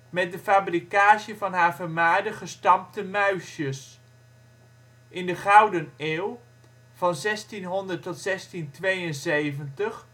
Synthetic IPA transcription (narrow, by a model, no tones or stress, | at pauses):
mɛt̚dəfaːbrikaːʃəvɑnɦaːɹvəɹmaːɹdəχəstɑmptəmœɥʃjəs | ʔɪndəχɑwdəneːw | v̥ɑnzɛstinɦɔndəɹtɔtsɛstintʋejənzejvəntəχ